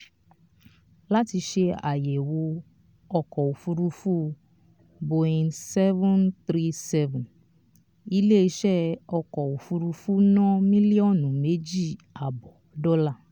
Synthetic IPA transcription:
la˦ti˧ʃe˧a̰˨je˨wo˧ | ɔ˧kɔ˨u˨fu˧ɾu˧fu˦ | bo˧ĩ˧nsɛ˦vɔ̃˦nt̪ɾi˦sɛ˦vũ˨n | i˧le˦i˧ʃɛ˦ɔ˧kɔ˨o˨fu˧ɾu˧fu˦nɔ̃˦mĩ˦li˦ɔ˦˨nũ˨me˨˦d͡ʒi˦˨a˨bɔ˨dɔ˦la˦˨

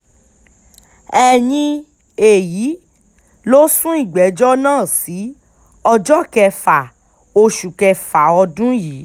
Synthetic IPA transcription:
ɛ˧˨nĩ˧ | e˨jiː˨˦ | lo˦sũ˦i˦˨ɡ͡bɛ˨˦d͡ʒɔ˦nãː˦˨si˨˦ | ɔ˧d͡ʒɔ˦˨kɛ˧fa˨ | o˧ʃu˨kɛ˧fa˨ɔ˧dũ˦ji˨˦

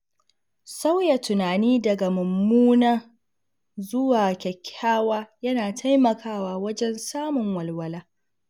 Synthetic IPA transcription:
sa˦wja˨tʊ˨naː˨niː˦dɐ˨ɡa˨mʊ˨mːuː˦naː˦ | zʊ˦waː˨kʲɛ˨kʲʰːaː˦waː˦jɐ˦naː˨tʰa˦jmɐ˨kʰaː˦waː˦wɐ˦d͡ʒɛ˦nsaː˦mʊ˨ŋwɐ˨lwɐ˨laː˦

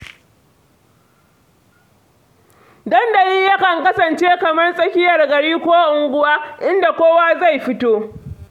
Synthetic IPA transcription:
dɐ˦nda˨ji˦jɐ˦kɐ˨ŋkɐ˦sɐ˨nt͡ʃeː˦kɐ˨mɐ˦rsʼɐ˦kʲɪ˦jɐ˨rɡɐ˨ɽiː˦kʷoː˦ʔʊ˨ŋɡʷʊ˦waː˦ʔɪ˦nda˨kʷoː˦waː˦za˦˨jɸɪ˦toː˦

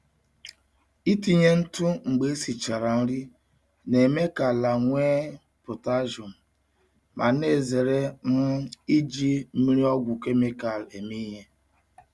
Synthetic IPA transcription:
i˦ti˨ɲe˦n̩˦tu˦ŋ͡m̩˨ɡ͡be˨˦e˦si˨t͡ʃa˨ɾa˨n̩˦ɾi˦ | ne˨me˦ka˨la˨ŋʷeː˦ | po˨ta˦ʒo˨m̩˨ | ma˨ne˨ze˨ɾe˦n̩˦i˦d͡ʒi˦m̩˦mi˦ɾi˦ɔ˦ɡʷʊ˨ke˦me˦ka˨le˨mi˦ɦe˦

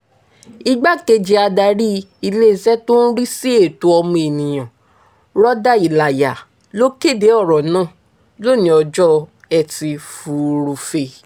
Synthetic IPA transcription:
i˧ɡ͡ba˦ke˧d͡ʒi˧˦a˧da˧˦ɾi˦ | i˧le˦˨˧sɛ˦to˦n̩˦ɾi˦si˦e˦˨to˧˦ɔ˧mũ˧e˨nĩ˨j̃ã˨ | ɾɔ˦da˦i˨la˨ja˨ | lo˦ke˦˨de˨˦ɔ˦˨ɾɔ˨nãː˦˨ | lo˦˨nĩ˨˦ɔ˧d͡ʒɔ˦ | ɛ˨ti˧fu˨˧ɾu˧fe˧

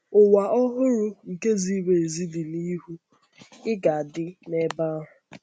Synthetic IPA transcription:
ʊ˨wa˨ʔɔ˦ɦʊ˦ɾʊ˦ŋ̩˨ke˦zi˦we˨e˨zi˦dɪ˨ni˦ɦu˦ | ɪ˦ɡa˨a˨dɪ˦ne˦ba˦ɦʊ˨

